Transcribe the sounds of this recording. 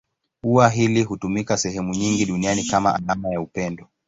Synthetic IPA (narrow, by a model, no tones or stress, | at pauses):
uaɦiliɦutumikasɛɦɛmuɲiŋɡiɗunianikamaʔalamajaupɛndɔ